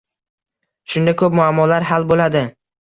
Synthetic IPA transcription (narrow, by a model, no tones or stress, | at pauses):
ʃʊnd̪akʰɵp̚mʊamːɒlaɾɦalbolad̪ɪ